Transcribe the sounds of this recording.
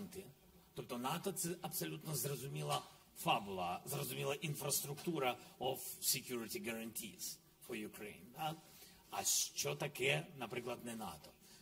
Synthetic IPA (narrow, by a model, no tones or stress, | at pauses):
nt̪ɪ | t̪ɔpt̪ɔnat̪ɔt̪sɛɐpsolʲut̪nɔzɾɐzʊmʲilˠɐ | fabʊlˠɐzɾɐzʊmʲilˠɐʔinfɾɐst̪ɾʊkt̪uɾɐɔfsɪkʲjuɾɪt̪ʲiɡɐɾɐnʲt̪ʲʰḭs | fɔjʊkɾḛjnd̪a | aʃt͡ʃɔt̪ɐkɛnɐpɾiklˠɐt̪nɛna̰t̪ɔ̥